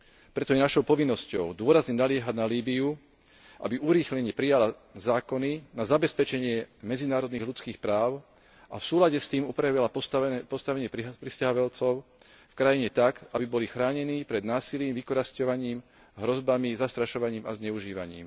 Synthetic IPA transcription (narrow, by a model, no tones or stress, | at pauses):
pɾɛt̪ɔjɛnaʃɔʊpɔʋinːɔscɔʊd̪ʊɔɾazɲɛnalɪɛɦanaliːbiu | ʔa̰biʔuɾiːxlɛɲɛpɾijala | zaːkɔninazabɛspɛt͡ʃɛɲɪɛmɛd͡zinaːɾɔd̪niːɣlut͡skiːxpɾaːʊ | ʔafsuːlaɟɛst̪iːmupɾaʋilapɔst̪aʋɛɲɪɛppɾiscaɦɔʋɛlt͡sɔʊ | fkɾajiɲɛt̪akabibɔlixɾaːɲɛniːpɾɛd̪naːsiliːmʋikɔɾascɔʋaɲiːm | ɦɾɔzbamizast̪ɾaʃɔʋaɲiːma̰zɲɛuʒiːʋa̰ɲḭːm